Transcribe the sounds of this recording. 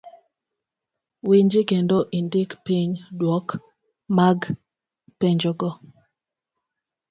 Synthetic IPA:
wiɲd͡ʒikendoʔindikpiɲdwɔk | maɡ | peɲd͡ʒɔɡɔ

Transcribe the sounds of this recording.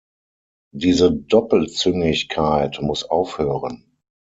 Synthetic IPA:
diːzədɔpl̩t͡sʏŋɪçkʰaɪtmʊsʔaʊfhøːʁən

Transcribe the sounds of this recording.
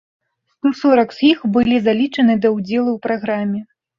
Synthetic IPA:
st̪ɔsɔɾɐkz̥ʲjixbɨlʲizalʲit͡ʂɐnɨd̪ɐwd͡zʲɛlˠuwpɾaɣɾamʲːɛ

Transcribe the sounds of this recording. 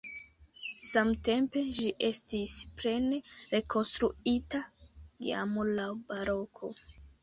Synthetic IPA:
samte̞mpe̞ʒiʔe̞stispɾe̞neɾe̞kʰo̞nstɾuitaɡḭa̰molawbaɾo̞kʰo̞̰

